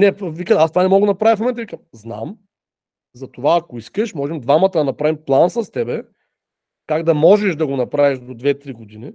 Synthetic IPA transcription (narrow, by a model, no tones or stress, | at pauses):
nɛpvikəast̪ovanɛmɔɡʊnɐpɾavifmomɛnt̪ɐvikəmzna̰m | zɐt̪ovaːkoiskəʃmɔʒɛmd̪vamɐt̪ɐd̪ɐnɐpɾavimplˠansəst̪ɛbɛ | kaɡd̪ɐmɔʒɛʃd̪ɐɡonɐpɾaviʃd̪od̪vɛt̪ɾiɡod̪ini